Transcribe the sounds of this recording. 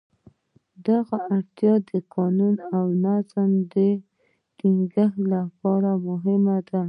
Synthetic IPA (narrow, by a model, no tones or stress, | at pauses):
d̪aɣaʔaɽt̪jɑd̪əqɑnunawnazmd̪ə | ʈiŋɡəhlapɑɾamʊɦɪmad̪a